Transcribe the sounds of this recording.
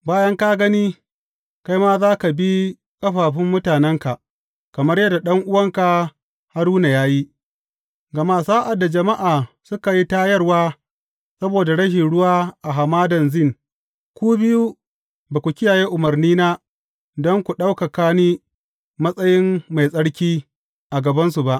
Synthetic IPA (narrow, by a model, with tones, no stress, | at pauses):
baː˦jɐ˦ŋka˦ɡɐ˦niː˦ | ka˦jmaː˦zaː˦ka˨bi˦ | kʼɐ˦ɸaː˨ɸɪ˦mːʊ˦taː˨nɛ˦ŋka˨ʔ | kɐ˨mɐ˦rjɐ˦dːa˨ɗɐ˦ŋʔʊ˦wɐ˦ŋka˨ | ha˦ɽuː˦na˨jaː˦ji˦ | ɡɐ˨ma˦˨saː˦ʔa˨dːa˨d͡ʒɐ˨ma˦ʔaː˨ | sʊ˦ka˨ji˦taː˦jɐ˦rwaː˦ | sɐ˦boː˨da˨ɽɐ˦ʃ̬ɪ˨nɽʊ˦waː˦ʔa˨ɦa˨maː˦dɐ˨nzɪ˦˨ŋ | kʷuː˦bɪ˦ju˦ | baː˨kʷu˨kʲɪ˦jaː˨jeː˦ʔʊ˨mɐ˨rniː˦naː˦ | dɔ˦ŋkʷu˨ɗa˦wka˨kaː˦niː˦ | mɐ˦sʼɐ˦jɪ˦mːa˨jsʼɐ˦ɽkʲiː˦ | ʔa˨ɡɐ˨bɐ˦nsu˨ba˦ʔ